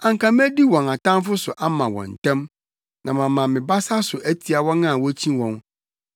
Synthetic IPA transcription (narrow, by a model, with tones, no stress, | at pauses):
ã˨ŋ˨kʰã˨m˦æ˦di˦wɔ̃˨na˨tʰã˦mfʊ˦sʊ˨ʔa˦mã˨wɔ̰̃˨n̩˨tʰɛ̃˦m | nã˨mã˨mːã˨mɪ̃˨ba˦sa˦sʊ˨ʔæ˦tʰi˨a˨wɔ̃˦nã˦˨wɔ˦t͡ɕʰĩ˦wɔ̃˨n